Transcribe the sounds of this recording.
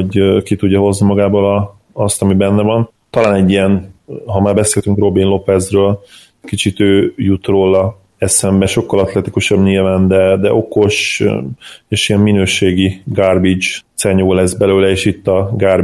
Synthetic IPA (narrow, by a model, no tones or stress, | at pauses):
oɟkit̪uɟːɒɦo̞znimɒɡaːboːlɒː | st̪ɒmibɛnːɛvɒn | t̪ɒlaːnɛɟːijɛnɦɒmaːrbɛseːlt̪yŋkro̞binlo̞pɛzrøːl | kit͡ʃit̪øːjut̪roːlɒ | ɛsɛmbɛʃo̞kːɒlɒt̪lɛt̪ikuʃɒbɲilvaːnd̪ɛd̪ɛʔo̞ko̞ʃ | eːʃiɛmːinøːʃeːɡiɡarbid͡ʒt̪sɛɲoːlɛzbɛløːlɛeːʃit̪ːɒɡar